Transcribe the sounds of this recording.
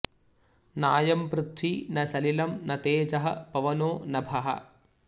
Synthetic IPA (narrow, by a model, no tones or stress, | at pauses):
naːjɐmpɾut̪ʰʋinɐsɐlilɐmnɐt̪eːd͡ʒɐɦɐ̰pɐʋɐnoːnɐbʱɐɦɐ̰